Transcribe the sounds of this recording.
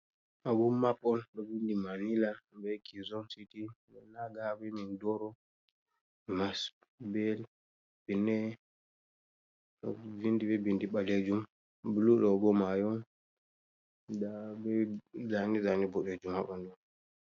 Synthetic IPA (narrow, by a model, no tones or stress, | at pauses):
ʔaɡuːaɓɔnɗɔbindimanilabɛkizɔnsiti | ɛnaɡabɛmindɔɾɔ | mas | bɛl | b̥inɛ | ɗɔ̰vindibɛbindiɓaled͡ʒum | bluɗɔɡɔmajɔn | abɛzanizanibɔɗed͡ʒumha̰ɓɔndɔn